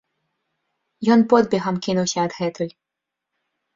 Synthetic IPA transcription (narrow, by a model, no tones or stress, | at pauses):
jɔnpɔd̪bʲɛɣɐmkʲinuwsʲɐːd̪ɣɛt̪ɔj